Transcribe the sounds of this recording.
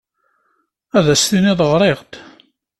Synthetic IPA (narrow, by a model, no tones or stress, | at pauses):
æðæsθiniðˤəʁɾˤeʁt̪